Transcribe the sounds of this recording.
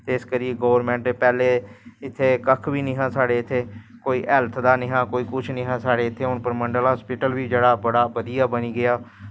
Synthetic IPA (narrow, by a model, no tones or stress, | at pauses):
t̪eːskəɾiːeɡoːʋəɾmɛ̃ːɳʈeːpɛːleːɪt̪ʰːeːkəkʰʋiːnĩːɦãːsaːɽeːɪt̪ʰːeːkoːiːʔɛlt̪ʰd̪aːnɪ̃ːɦãːkoːiːkʊt͡ʃʰnɪ̃ːɦãːsaːɽeːɪt̪ʰːeːʊnpəɾməɳɖəlɦɔːspɪʈəlʋiːd͡ʒeːɽaːbəɽaːʋəd̪ijaːbəniːɡɪjaː